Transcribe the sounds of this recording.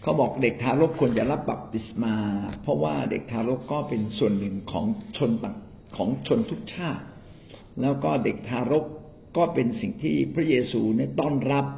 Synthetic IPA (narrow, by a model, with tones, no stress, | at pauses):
kʰa˦˥wbɔː˨˩k̚de˨˩k̚t̪ʰaː˧ɾo˦˥k̚ʰːu˧ənt͡ɕa˨˩ʔɾa˦˥p̚ba˨˩p̚t̪i˨˩smaː˧pʰɾɔ˦˥waː˥˩dḛ˨˩k̚t̪ʰaː˧ɾo˦˥kːɔː˥˩pe˧nsu˨˩ənːɯ˨˩ŋkʰɔ̰ː˩˦ŋt͡ɕʰo˧nt̪a˨˩ | kʰɔː˩˦ŋt͡ɕʰo˧nt̪ʰu˦˥k̚t͡ɕʰaː˥˩t̪̚ | lɛː˦˥wkɔː˥˩de˨˩k̚t̪ʰaː˧ɾo˦˥k | kːɔː˥˩pe˧nsi˨˩ŋt̪ʰiː˥˩pʰɾa˦˥jeː˧suː˧ni˦˥˩ɐt̪ɔː˥˩nɾa˦˥p̚